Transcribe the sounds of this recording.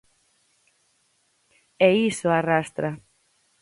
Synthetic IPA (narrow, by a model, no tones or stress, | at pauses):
ɛisʊarast̪ɾa